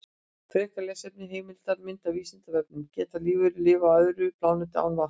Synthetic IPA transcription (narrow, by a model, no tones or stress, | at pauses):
kʰɾɪhkalɛːsejp̚nɪɦeːjmɪl̥t̪aɾmɪnt̪aviːsɪnt̪avɛk̚nʏmcɛːt̪aliːvʏɾɪlɪːvaœðɾʏplaːwnɪt̪ɪa̰ːwnva